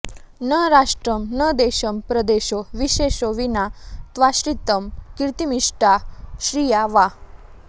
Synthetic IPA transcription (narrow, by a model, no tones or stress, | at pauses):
nəɦɾaʂʈɾəmnəd̪eɕəmpɾəd̪eɕoʋiɕeɕoʋinat̪ʋaɕɾit̪əmkɾt̪imiʂʈaɕɾijaʋa